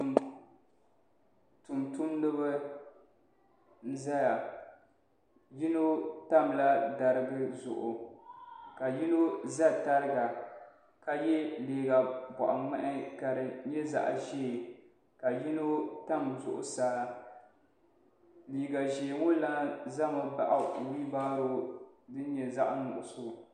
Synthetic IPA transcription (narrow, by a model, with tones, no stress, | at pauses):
tʊ˨ntʊ˦nːɨ˦bɨ˦ | n̩˦za˦ja˨ | ji˦no˦ta˦˨mla˦da˨ɾɨ˦ɡɨ˦zʊ̰˨ʔʊ̰˨ | ka˨ji˦no˦za˦ta˦ɾɨ˦ɡa˨ | ka˨jɛ˦leː˨ɡa˨bɔ̰˨ʔa˨mɛ˦ʔɪ˦ka˨ɾɨ˨ɲɛ˦za̰˨ʔʒe˦˨ | ka˨ji˦no˦ta˦mzʊ̰˨ʔʊ̰˨saː˦ | liː˨ɡa˨ʒe˨ŋʊ˦la˦za˦ma˨ba̰˦ʔa˨wi˦baː˦ɾo˦dɨ˦ɲɛ˨za˦ʔnʊ˨ʔʊ˨so˦